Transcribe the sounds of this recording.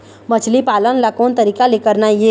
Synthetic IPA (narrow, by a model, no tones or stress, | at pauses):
mət͡ʃʰlipalənlakont̪əɾikalekəɾnaje